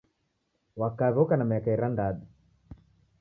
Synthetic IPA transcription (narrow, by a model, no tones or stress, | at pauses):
wakaβɔkanamɛkaiɾandaɗi